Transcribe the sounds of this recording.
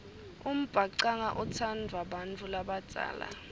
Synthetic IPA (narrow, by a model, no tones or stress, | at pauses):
um̩b̥ʱaǀaŋaʔɔt͡sʰandʱwaɓant͡fʰulaɓat͡sʼa̰ːla̰